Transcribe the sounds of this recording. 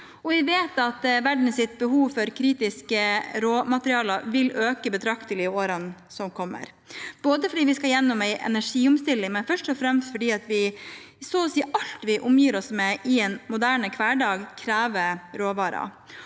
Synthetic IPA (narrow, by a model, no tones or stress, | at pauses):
ɔʋɪʋeːt̪ɑt̪ʋæɖn̩sɪt̪̚bəɦuːʋfɔɾkʰɾiːt̪ɪskəɾoːmɑt̪əɾɪɑːlɑʋɪlʔøːkəbət̪ʰɾɑkt̪əlɪoːɾən | sɔmkʰɔmːə̰ɾ | b̥oːd̪əfɔɖiːʋɪskɑjɛnːʊmæɪʔɛ̰næʂiːʊmst̪ɪlːɪŋmɛnfœʂʈɔfɾɛmst̪fɔɖiːɑt̪ʋɪ | soːsiːʔɑlt̪ʋɪʔʊmjiːɾɔsmɛʔɪɛnmʊd̪æːɳəkʰʋæːɖɑːɡkʰɾæːʋəɾoːʋɑːɾɑ̰